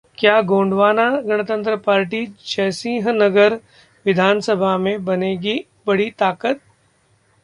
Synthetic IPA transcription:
kjaːɡõːɳɖʋaːnaɡɐɽ̃ət̪ə̃nt̪ɾəpaːɾʈit͡ʃɛːsĩɦnɐɡəɾ | ʋɪd̪ʱaːnsəbʱamẽbɐneːɡi | bɐɽit̪aːkət̪̚

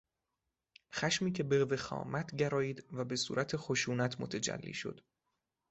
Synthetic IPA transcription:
xæʃmiːcʰe̞beve̞xɒ̰ːmæt̪ʰɟæɾɒːiːd̪væbe̞sṵːɾʔæt̪ʰexo̞ʃuːnæt̪ʰmo̰t̪ʰæd͡ʒæ̰lːḭːʃo̞̰d̪̥

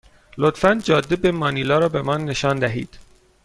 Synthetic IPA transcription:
lot̪fænd̪d͡ʒɒːd̪ːebemɒːnilɒːɾɒːbe̞mɒːnːe̞ʃɒːnd̪æɦḭːd̪̥

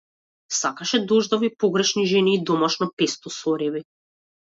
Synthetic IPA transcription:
sakaʃɛd̪ɔʒd̪ɔvipɔɡɾɛʃniʒɛniːd̪ɔmaʃnɔpɛst̪ɔsɔɾɛbi

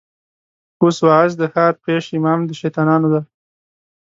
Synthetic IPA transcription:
oswɑas̬d̪əxɑːɾpeʃimɑmd̪əʃajt̪ɑnɑnod̪a

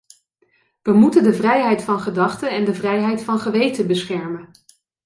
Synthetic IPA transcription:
ʋəmutəndəvrɛjɦɛjtfɑnχədɑχtəɛndəvrɛjɦɛjtfɑnχəʋejtəbəsχɛɹmən

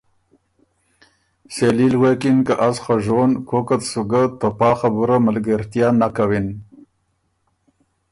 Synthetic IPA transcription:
selilɣekinkaʔasχaʒonkokat̪suɡat̪opɑːxabuɾamalɡəɾt̪jɑnakawin

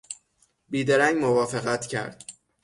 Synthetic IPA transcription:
biːd̪eɾæŋɡmovɒːfeɣæt̪ʰcʰæ̰ɾd̪̥̚

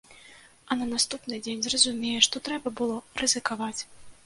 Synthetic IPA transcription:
ɐnɐnast̪upnɨd͡zʲenʲzrɐzumʲejɛʂt̪ɔt̪ɾɛbɐbɨlˠɔrɨzɨkavat͡sʲ

